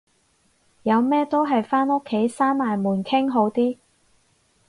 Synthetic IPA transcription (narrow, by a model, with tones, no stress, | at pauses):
jɐ˨˧wmɛː˥t̪o˥wɦɐ˨jfaː˥no˥kʰːe˨˥jsaː˥nmaː˨˩jmuː˨˩nkʰɪ˥ŋɦo˨˥wt̪iː˥